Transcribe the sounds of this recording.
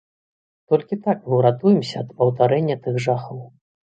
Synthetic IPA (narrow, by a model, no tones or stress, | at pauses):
t̪ɔlʲkʲit̪akmɨwɾat̪ujɛmsʲɐːd̪pɐwt̪aɾɛnʲːɐt̪ɨxʐaxɔw